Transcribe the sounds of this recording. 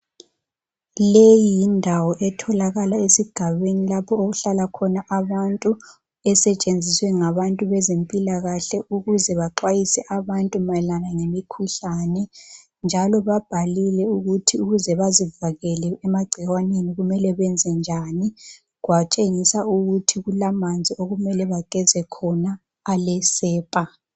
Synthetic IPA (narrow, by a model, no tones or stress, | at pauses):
lejijindʱawɔʔɛtʰɔlaɣalaesiɡ̥ʱaβenilapʰɔoɣuɬalakʰɔnaʔaβantʼu | ɛsɛt͡ʃʼend͡zʱiswɛŋaβantʼuβɛzempʼilaɣaɬɛʔuɣuzɛβaǃwajisɛʔaβantʼumalanaŋemikʰuɬanɛ | nd͡ʒʱalɔβab̥ʱalilɛuɣutʰiuɣuzɛβazivaɣɛlɛːmaɡ͡ǀʱiwaneniɣumɛlɛβɛnd͡zʱɛnd͡ʒʱani | ɣwat͡ʃʼeŋisauɣutʰiɣulamand͡zʱioɣumɛlɛβaɡ̥ʱɛzɛkʰɔnaː | lɛsɛːpʼa